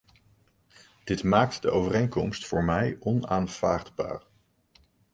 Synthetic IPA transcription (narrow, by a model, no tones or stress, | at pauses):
d̥ɪtmaːk̚tdəʔowvərejŋkɔmstfʊːɹmɛjɔnaːnv̥a̰ːrdba̰ːɹ